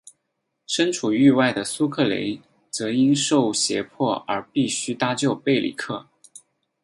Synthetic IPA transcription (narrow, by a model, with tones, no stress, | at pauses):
ʂə˥nʈ͡ʂʰu˨˩y˥˧wa˥˩ɪd̪ə˩su˥kʰɤ˥˩lḛ˧˥ɪ | t͡sɤ˧˥i˥nʂo˥˩ʊɕjɛ˧˥pʰwɔ˥˩ə̰˞˧˥pi˥˩ɕy˥t̪a˥t͡ɕjo˥˧ʊpe˥˩ɪlḭ˨˩kʰɤ˥˩